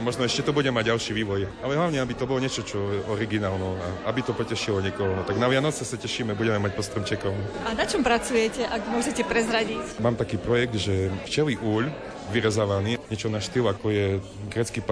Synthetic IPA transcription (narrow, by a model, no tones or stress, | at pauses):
mɔʒnɔɛʃcɛt̪ɔbuɟɛmaɟɟalʃiːʋiːʋɔjalɛɦlaʊɲɛabit̪ɔbɔlɔɲɪɛt͡ʃɔt͡ʃɔjɛʔɔɾiɡinaːlnɔaʔabit̪ɔpɔcɛʃilɔɲɛkɔɦɔnɔt̪aɡnaʋɪanɔt͡sɛsacɛʃiːmɛbuɟɛmɛmac̚pɔst̪ɾɔmt͡ʃɛkɔʊn | anat͡ʃɔmpɾat͡sujɛcɛʔaɡmʊɔʒɛcɛpɾɛzɾaɟicmaːmt̪akiːpɾɔjɛɡ̚d̪ʒɛft͡ʃɛliʔuːʎ | ʋiɾɛzaʋaniːɲɛt͡ʃɔnaʃt̪ilakɔjɛ | ɡɾɛt͡skiːpa